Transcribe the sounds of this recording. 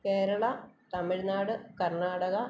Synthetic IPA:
ke̞ːɾɐɭɐt̪ɐmiɻnaːɽɨkɐrɳaːɽɐɣɐ

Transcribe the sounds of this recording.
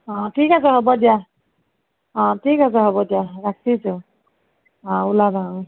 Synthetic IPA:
ɔ̃tʰikas̬ɛɦɔbɔdija | ɔ̃tʰikas̬ɛɦɔbɔdijaɹak̚ʰisʊ | ɔ̃ulabʱã

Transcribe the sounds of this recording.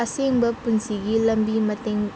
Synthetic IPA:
ɐseŋbɐpunsiɡilɐmbimɐt̪eŋ

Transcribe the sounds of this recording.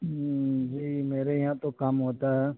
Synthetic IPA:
d͡ʒiːmeːɾajɐɦãt̪okɐmɦoːt̪aɦɛː

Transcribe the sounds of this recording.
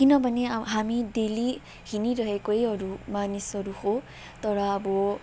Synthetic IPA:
kinɔbanɛɦamideli | hiniɾɔɦɛkoeɔɹumanisɔɹuxo | t̪ɔɹaːbɔ

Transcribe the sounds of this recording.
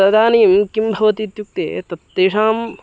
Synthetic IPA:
ɐd̪ʱaːniːmkimbʱɐʋɐt̪iːt̪juk̚t̪ḛːt̪ɐt̪ːeːʂaːm

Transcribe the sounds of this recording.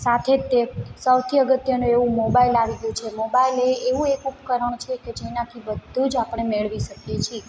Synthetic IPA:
sat̪ʰet̪ːesəwt̪ʰiəɡət̪jənũeʋũmobailaʋiɡəjũt͡ʃʰemobaileːʋũekupkəɾəɳt͡ʃʰeked͡ʒenakʰibəd̪ʱːud͡ʒapəɳ̃emeɭʋiʃəkjet͡ʃʰi

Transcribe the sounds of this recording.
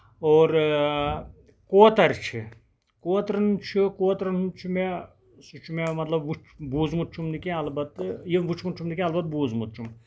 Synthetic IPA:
oːɾ | koːt̪ɐɾt͡ʃʰi | koːt̪ɾɐnt͡ʃʰikoːt̪ɾɐnt͡ʃʰime | sut͡ʃʰumemɐt̪lɐbʋut͡ʃʰbuːzmut̪̚t͡ʃʰumnikẽɐlbɐt̪ːjiʋut͡ʃʰmut̪̚t͡ʃʰumnikʲẽɐlbɐt̪̚buːzmut̪̚t͡ʃʰum

